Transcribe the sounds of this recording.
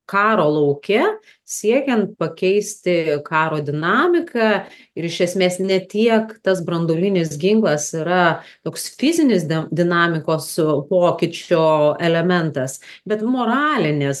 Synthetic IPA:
kɑːɾoːlˠɐʊkʲɛ | sʲiɛkʲɛnt̪̚pɐkʲɛɪsʲt̪ʲɪkɑːɾoːd̪ʲɪnɑːmʲɪkʰɑ | ɪɾɪʃʲɛsʲmʲeːsnʲɛt̪ʲiɛkt̪ɐs̬bɾɐnd̪oːlʲinʲɪsɡʲɪŋklˠɐsɪɾɐt̪oːksfʲɪzʲɪnʲɪsʲd̪ʲɪnɑːmʲɪkoːspoːkʲɪt͡ʃʲoːɛlʲɛmʲɛnt̪ɐsbʲɛt̪moːɾɑːlʲɪnʲɪs

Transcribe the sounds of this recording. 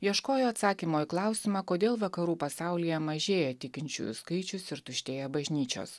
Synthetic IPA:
jiɛʃkoːjoːɐt̪sɑːkʲiːmoːiklˠɑˑʊsʲimɑːkoːd̪ʲeːlˠʋɐkɐɾuːpɐsɑˑʊlʲijɛmɐʒʲeːjɛt̪ʲɪkʲɪnʲt͡ʃʲʊ̰jʊ̰skɐɪt͡ʃʲʊsɪɾt̪ʊʃʲt̪ʲeːjɛbɐʒʲnʲiːt͡ʃʲo̰ːs

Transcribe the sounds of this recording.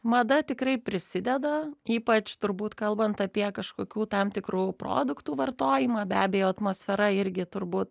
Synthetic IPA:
mɐd̪ɐt̪ʲɪkrɐɪpʲɾʲɪsʲɪd̪ʲɛd̪ɐiːpɐt͡ʃt̪ʊɾbuːt̪kɐlˠbɐnt̪ɐpʲiɛkɐʃkoːkʲuːt̪ɐmt̪ʲɪkruːpro̰ːd̪ʊkt̪uːʋɐrt̪oːjɪmɑːbʲæːbʲeːjoːɐt̪moːsʲfʲɛɾɐɪɾʲɡʲɪt̪ʊɾbuːt̪

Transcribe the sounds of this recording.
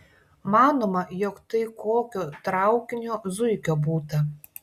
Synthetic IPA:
mɑːnoːmɐjɔkt̪ɐɪkoːkʲoːt̪ɾɑˑʊkʲɪnʲoːzʊɪkʲoːbuːt̪ɐ

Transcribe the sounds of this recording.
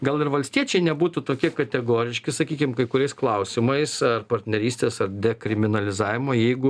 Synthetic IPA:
ɡɐlˠɪrʋɐlʲsʲt̪ʲiɛt͡ʃʲɛɪnʲɛbuːt̪ʊt̪oːkʲiɛkɐt̪ʲɛɡoːɾʲɪʃʲkʲɪsɐkʲiːkʲɪmkɐɪkʊɾʲɛɪsklˠɐʊsʲɪmɐɪsɐrpɐɾʲt̪ʲnʲɛɾʲiːsʲt̪ʲeːsɐrd̪ʲɛkɾʲɪmʲɪnɐlʲɪzɑːʋʲɪmoːjɛɪɡʊ

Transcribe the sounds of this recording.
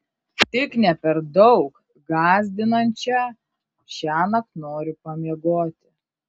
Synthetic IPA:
t̪ʲɪknʲɛpʲɛɾd̪ɔʊk | ɡɑːzʲd̪ʲɪnɐnʲt͡ʃʲɛ | ʃʲæːnɐknoːɾʲʊpɐmʲiɛɡoːt̪ʲɪ

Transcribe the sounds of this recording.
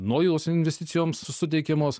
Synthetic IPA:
noɔjoːsɪnʲʋʲɛsʲt̪ʲɪsʲɪjoːmssʊt̪̬ʲɛɪkʲɛmoːs

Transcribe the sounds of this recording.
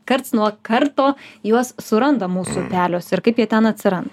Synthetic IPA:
kɐɾt̪snuɔkɐɾt̪oːjuɔssʊɾɐnd̪ɐmuːsʊpʲæːlʲoːsɪɾkɐɪpjiɛt̪ʲɛnɐt̪ʲsʲɪɾɐnd̪ɐ

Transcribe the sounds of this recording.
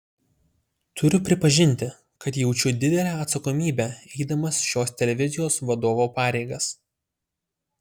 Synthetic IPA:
t̪ʰʊɾʲʊpʲɾʲɪpɐʒʲɪnʲt̪ʲɪ | kɐt̪jɛʊt͡ʃʲʊd̪ʲɪd̪ʲɛlʲæːɐt̪sɐkɔmʲiːbʲæɛɪd̪ɐmɐsʃʲoːst̪ʲɛlʲɛʋʲɪzʲɪjoːsʋɐd̪oːʋoːpɑːɾʲɛɪɡɐs

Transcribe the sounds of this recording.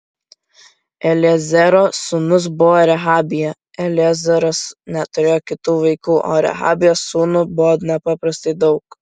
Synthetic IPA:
ɛlʲɪɛzʲɛɾoːsuːnʊs̬bʊʋoːɾʲɛɦɑːbʲɪjɛ | ɛlʲɪɛzʲɛɾosnʲɛt̪ʊɾʲeːjoːkʲɪt̪uːʋɐɪkuːʔo̰ːɾʲɛ̰ɦɑ̰ːbʲɪjoːsuːnʊbʊʋoːnʲɛpɑpɾɐst̪ɐɪd̪ɒʊk

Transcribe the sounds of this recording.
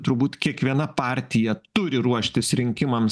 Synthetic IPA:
t̪ʊɾbuːt̪kʲiɛkʋʲiɛnɐpɑːɾʲt̪ʲɪjɛt̪ʊɾʲɪɾuɔʃʲt̪ʲɪsɾʲɪŋʲkʲɪmɐm

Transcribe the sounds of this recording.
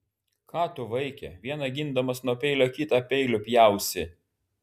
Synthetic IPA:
kʰɑːt̪ʊʋɐɪkʲɛ̰ʋʲiɛnɐɡʲɪnd̪ɐmɐsnuɔpʲɛɪlʲoːkʲɪt̪ɑpʲɛɪlʲopʲjæˑʊsʲɪ

